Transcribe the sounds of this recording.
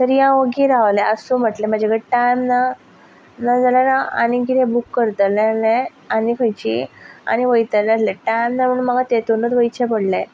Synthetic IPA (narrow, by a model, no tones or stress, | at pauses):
t̪əɾijãʋəɡiɾaʋlɛəsum̤əʈlɛ̃m̤ad͡ʑeɡəʈajmna | nad͡zalanaa̰nikit̪ʰɛ̃bukːəɾt̪əlɛlɛ̃ | anikʰəjt͡ɕḭa̰ñiʋəjt̪əlɛ̃əslɛ̃ʈajmnam̤əɽunməɡat̪et̪onət͡s̪ʋəjt͡ɕʰɛpəɽlɛ̃